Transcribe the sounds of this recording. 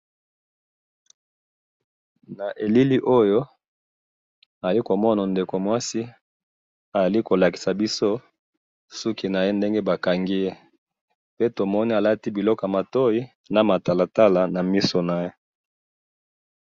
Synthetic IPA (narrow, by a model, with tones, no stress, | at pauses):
na˨ʔe˨li˦li˦ʔo˦jo˦ | a˨za˨li˦ko˨mɔ˦na˨nde˨ko˨mwa˦si˦ | a˨a˨li˦ko˨la˨ki̥˨sa˨bi˦so˦ | su˦ki˦na˨je˦nde˦ŋɡe˦ba˨ka˨ŋɡi˦je˦ | pe˦to˨mɔ˦ni˦a˨la˦ti˦bi˨lɔ˦ka˨ma˨to˦i˦ | na˨ma˨ta˨la˨ta˦la˨na˨mi˦so˨na˨je˦